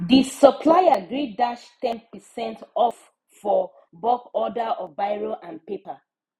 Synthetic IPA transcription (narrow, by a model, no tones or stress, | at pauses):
disəpʰlaɪaɡɹiddaʃtɛ̃npəsɛ̃ntɔf | fɔ | bɔkɔdəʔɔvbaɪɹoʔãnpepa